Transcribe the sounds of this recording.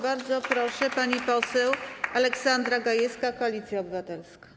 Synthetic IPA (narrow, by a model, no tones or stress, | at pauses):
baɾd̪zɔpɾɔʂɛpaɲipɔsɛwalɛksand̪ɾaɡajɛskakɔalʲit̪sʲjaɔbɘvat̪ɛlskḁ